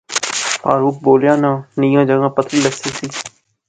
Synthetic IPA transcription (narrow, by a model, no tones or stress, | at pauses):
fa̰ːɾuːk̚boːljaːnãːnĩːjãːd͡ʒəɡãːpət̪ɾiːləsiːsiː